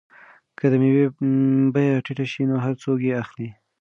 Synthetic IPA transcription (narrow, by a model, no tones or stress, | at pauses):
kəd̪əmewebajaʈɪʈaʃinoɦaɾt͡sok̬jeaxli